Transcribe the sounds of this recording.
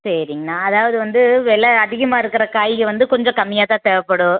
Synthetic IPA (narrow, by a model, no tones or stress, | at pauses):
sɐɾɪŋɡɐnaːɐðaːʋɐðɯʋɐnd̪ɯʋɛɭɐːðɪɣɐmaːɪɾɯkːɪɾɐkaːjɪkːɯʋɐnd̪ɯkɔɲd͡ʒɔ̃kɐmːɪjaːt̪ãːt̪ɛʋɐpːɐɽʊ̃